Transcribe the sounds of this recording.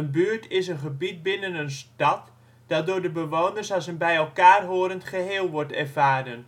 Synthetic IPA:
ənbyːəɹtʰɪsənχəbit̚bɪnənənstɑt | d̥ɑt̚doːdəbəʋoːnərsasənbɛjɛlˠkaːrɦoːɾəntχəɦeːlˠʋɔrtɛrvaːdən

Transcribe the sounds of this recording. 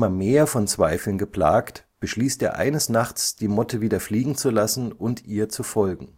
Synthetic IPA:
mɐmeːɐfɔnt͡sv̥aɪfl̩nɡəpl̥a̰ːkt | b̥əʃliːstʔeːɐʔa̰ɪnəsnaχt͡sd̥iːmɔtʰəviːdɐfliːɡŋ̩t͡sulasn̩ʔʊntʔiːɐt͡sufɔlɡŋ̩

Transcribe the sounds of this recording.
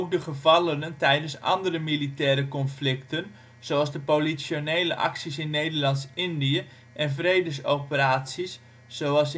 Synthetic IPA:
owk̚dəχəvɑlənəntɛjdənsɑ̰ndərəmilitɛːɾəkɔnflɪktən | z̥owɑlˠzdəpolisjonejləʔɑ̰ksisɪnːejdəlɑntsɪndiə | ʔɛnvrejdəsowpəraːtsisː | owɑlˠs

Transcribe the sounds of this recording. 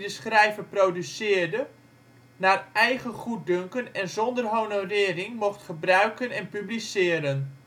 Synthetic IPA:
dəsχrɛjvəprowdysɪːrdə | naːrɛjχəχut̚ɵŋkənɛnzɔndərɦownowrɪːrɪŋmɔχtχəbrœɥkənɛnpyblisɪːəɾən

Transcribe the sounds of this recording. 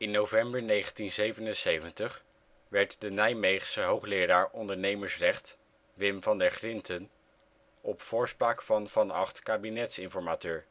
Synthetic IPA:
ɪnːowvɛmbəɹnejχəntinzejvənənsejvəntəχ | ʋɛɹtdənɛjmejχsəɦowχlɪːɾaːɹɔndəɹnejməɹsrɛχt | ʋɪmvɑndɛɹχrɪntʰən | ɔpfʊːɹspraːkfɑnvɑnɑ̰χtkaːbinɛtsɪnfɔɹmaːtøːɹ

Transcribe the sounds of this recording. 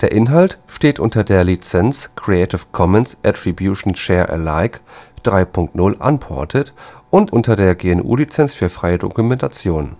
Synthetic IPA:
d̥eːɐʔɪnɦaltʃteːtʔʊ̰ntɐdeːɐlit͡sɛnskʁ̥iɛtɪfkʰɔmɛnsʔɛtʁibjuʃn̩ʃɛːɐʔɛ̰laɪkd̥ʁaɪpʰʊŋktnʊlʔa̰npʰɔ̰ɐtʰətʔʊntʔʊntɐdeːɐɡeːɛnʔṵːlit͡sɛnsfyːɐfʁ̥aɪədo̰kumɛntʰat͡sjoːn

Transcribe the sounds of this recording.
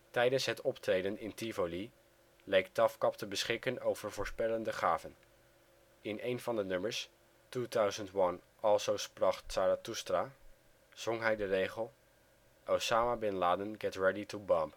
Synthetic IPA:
tɛjdənsɦətɔptrejdənɪntivoli | lɛjk̚tɑfkɑptəbəsχɪkənowv̥əɹvʊːɹspɛləndəχaːvən | ɪnejnvɑndənøməɹs | tutœɥzəntwɑn | ɑlˠsowsprɑχtsaɾatustra | z̥ɔŋɦɛjdərejχəlˠ | ʔowsaːmabɪnlaːdənɡɛtɹɛditubɔ̃mp

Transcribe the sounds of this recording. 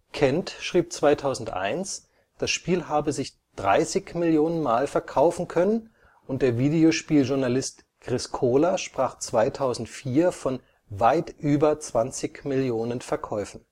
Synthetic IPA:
kʰɛntʃʁ̥iːp̚t͡sv̥aɪtʰaʊzn̩tʔa̰ɪns | d̥asʃpiːlɦaːbəzɪç | d̥ʁa̰ɪsɪçmɪljoːnənmaːlfɛɐkʰaʊfn̩kʰœnən | ʔʊnt̚d̥eːɐviːdeoʃpiːlʒʊɐnalɪst | ɡ̥ʁ̥ɪskʰoːlaʃpʁ̥aːχt͡sv̥aɪtʰaʊzn̩tfiːɐfɔn | vaɪtʔyːbɐt͡sv̥ant͡sɪçmɪljoːnənfɛɐkʰɔʏfn̩

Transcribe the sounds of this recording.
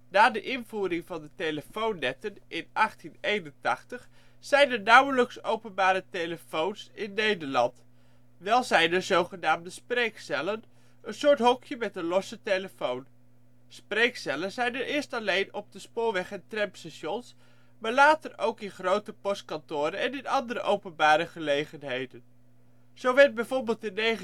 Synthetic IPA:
naːdəʔɪnvuːɾɪŋvɑndəteləfownːɛtənʔɪnʔɑχtinejnəntɑχtəχ | z̥ɛjnənawələksowpənbaːɾətejləfownsɪnːejdəɹlɑnt | ʋɛlˠzɛjnəzowχənaːmdəsprejksɛlən | ənsʊːɹtɦɔkjəmɛtənlɔsəteləfown | sprejksɛlənzɛjnəɹʔɪːɹstɑlejnɔb̚dəspʊːɹʋɛχɛntrɛmpstɑʃɔns | maːɹlaːtərowkɪnχrowtəpɔst̚kɑntʊːɾənɛnɪnɑndəɾəʔowpənbaːɾəχəlejχənɦejdən | z̥owʋɛɹd̚bɛjvʊːɹbɪːlˠtɪnej

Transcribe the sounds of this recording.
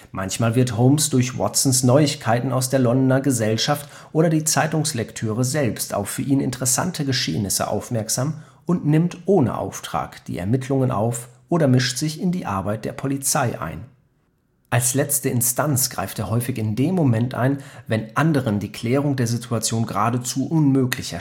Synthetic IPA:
mʔançmaːlvɪɐthoʊmsd̥ʊɐçwɔ̰tsn̩snɔʏɪçkʰaɪtn̩aʊsd̥eːɐlɔndnɐɡəzɛlʃaft | ʔoːɾɐdiːt͡saɪtʊŋslɛktʰøːʁ̞əzɛlpsta̰ʊffyːɐʔiːnɪ̰ntəʁəsa̰ntʰəɡəʃḛːnɪsə̰ʔa̰ʊfmɛɐkz̥aːm | ʊntnɪmtʔoːnə̰ʔa̰ʊftʁ̥a̰ːkd̥ḭːʔɛ̰ɐmɪtʰlʊŋənʔa̰ʊfʔoːɾɐmɪʃtz̥ɪçɪndiːʔa̰ɐbaɪt̚d̥eːɐpʰolit͡saɪʔa̰ɪn | ʔalslɛt͡stəɪnstʰant͡sɡ̥ʁa̰ɪfteːɦɔʏfɪçɪndeːmːomɛntʔa̰ɪnvɛnʔandəʁ̞əndiːkʰl̥ɛːʁ̞ʊŋdeːɐzɪtʰuat͡sjoːnɡəʁaːdət͡suʔʊnmøːklɪçɐ

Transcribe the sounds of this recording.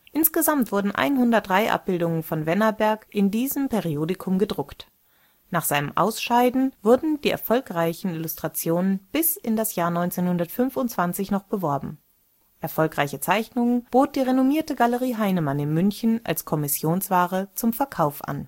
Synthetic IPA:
ʔɪnsɡ̥əzamtv̥ʊɐdn̩ʔa̰ɪnɦʊndɐt̚d̥ʁaɪʔa̰p̚b̥ɪldʊŋənfɔnvɛnɐbɛɐkʔɪndiːzəmpʰeʁioːdɪkʰʊmɡədʁʊkt | naːχz̥aɪnəmʔa̰ʊsʃaɪdn̩vʊɐdn̩diːʔɛ̰ɐfɔlkʁ̥aɪçn̩ɪlʊstʁ̥at͡sjoːnənb̥ɪsɪndasjaːɐnɔʏnt͡seːnhʊndɐtfʏnfʊntt͡sv̥ant͡sɪçnɔχb̥əvɔɐbm̩ | ʔɛɐfɔlkʁ̥aɪçət͡saɪçnʊŋənb̥oːt̚d̥iːʁenomiːɐtəɡaləʁiːɦaɪnəmanɪnmʏnçn̩ʔa̰lskʰɔmɪsjoːnsv̥aːʁət͡sʊmfɛɐkʰaʊfʔa̰n

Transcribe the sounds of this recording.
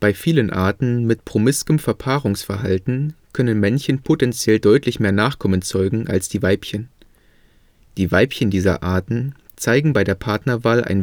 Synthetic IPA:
b̥aɪfiːlənʔa̰ːɐtn̩mɪtpʁ̥omɪskəmfɛɐpʰaːʁʊŋsfɛɐɦaltn̩kʰœnənmɛnçənpʰotɛnt͡sjɛldɔʏtʰlɪçmeːɐnaːχkʰɔmənt͡sɔʏɡŋ̩ʔa̰lsd̥iːvaɪpçən | d̥iːvaɪpçəndiːzɐ̰ʔaːɐtn̩ | t͡saɪɡŋ̩baɪɾeːɐpʰaɐtnɐvaːlʔa̰ɪn

